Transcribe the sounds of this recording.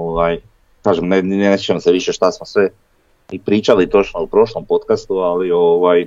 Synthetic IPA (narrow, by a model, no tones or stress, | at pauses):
oʋaj | kaːʒemnenest͡ʃemseʋiʃeʃt̪asmosʋe | ipɾiːt͡ʃalit̪o̞t͡ʃnoupɾo̞ʃlˠompo̞t̪kast̪ualioʋaj